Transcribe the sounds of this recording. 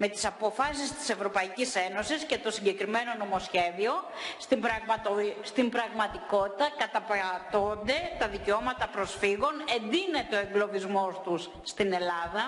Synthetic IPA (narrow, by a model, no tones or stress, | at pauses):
me̞t̪i̥sɐpo̞fɐs̬ist̪i̥se̞vɾo̞pɐicise̞no̞sisce̞t̪o̞siɲɟe̞kɾime̞no̞no̞mo̞sçe̞ðio̞ | st̪imbɾɐɣmɐt̪ost̪imbɾɐɣmɐt̪iko̞t̪it̪ɐkɐt̪ɐpt̪ond̪e̞t̪ɐðiceo̞mɐt̪ɐpɾo̞sfiɣo̞ne̞nd̪ine̞t̪eo̞eŋɡlo̞vizmo̞st̪usːt̪ine̞lɐðɐ